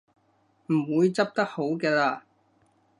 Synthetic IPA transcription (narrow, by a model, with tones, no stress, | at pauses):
m̩˨˩wuː˨˧jt͡sɐ˥p̚t̪ɐ˥k̚ho˨˥wkɛː˧laː˧